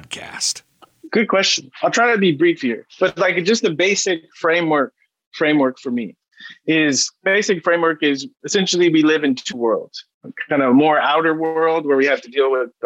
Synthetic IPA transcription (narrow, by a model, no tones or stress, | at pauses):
d̚kʰæ̰st | ɡ̥ʊd̚kʰw̥ɛst͡ʃn̩aɪlˠtʰɹ̥aɪɾɨbibɹifiə̰˞b̥ʌtˡlaɪkd̥ʒ̥ʌst̪̚ðɨbeɪsɪkfɹẽɪ̃mwɜ˞k̚ | fɹẽɪ̃mwɜ˞kfə˞mḭ | ɪzb̥eɪsɨkfɹẽɪ̃mwɜ˞kɪzɨsɛ̃nʃl̩ˠiwilɪvɨ̃ntʰuwɜ̰˞lˠd̥ | kʰãɪ̃ndɨmɔɹaʊɾə˞wɜ˞lˠd̚wə˞wihæftɨdilˠwɪð